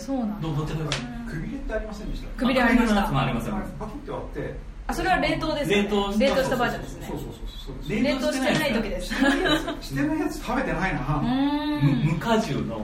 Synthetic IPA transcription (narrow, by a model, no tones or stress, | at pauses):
soːnãd̪od̪ot̪ːeba | kʰɯ̟bʲiɾet̪ːeaɾʲimasẽnd̪eit̪akkɯbʲiɾeanankmaaɾʲimasẽpakʲet̪ːoβat̪ːe̞ | aso̞ɾe̞βaɾẽ̞nt̪o̞ːd̪esɾẽt̪oɾe̞nt̪oɕit̪abaːid̪ãnd̪esɨneoːsoːsoosoːd̪eɾẽɾent̪oːɕint̪enait̪o̞kʲid̪esɨ̥ | ɕi̥t̪enajat͡sɨ̥t̪ame̞t̪enainaaɯ̃mɯmɯ̟kaʑɨːno